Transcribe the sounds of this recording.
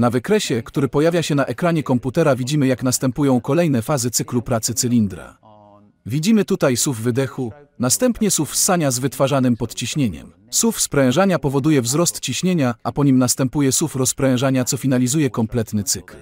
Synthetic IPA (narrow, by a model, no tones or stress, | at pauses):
navɘkɾɛɕɛkt̪uɾɘpɔjavʲjaɕɛnaʔɛkɾaɲɛkɔmput̪ɛɾavʲid͡ʑimɘjaknast̪ɛmpujɔ̃w̃kɔlɛjnɛfazɘt̪sɘklupɾat̪sɘt̪sɘlʲind̪ɾa̰ | vʲid͡ʑimɘt̪ut̪ajsuvːɘd̪ɛxunast̪ɛmpɲɛsufsaɲazvɘt̪faʐanɘmpɔt̪t͡ɕiɕɲeɲɛ̰m | sufspɾɛ̃w̃ʐaɲapɔvɔd̪ujɛvzɾɔst̪t͡ɕiɕɲeɲaapɔɲimnast̪ɛmpujɛsufɾɔspɾɛ̃w̃ʐaɲat̪sɔfʲinalʲizujɛkɔmplɛt̪nɘt̪sɘkl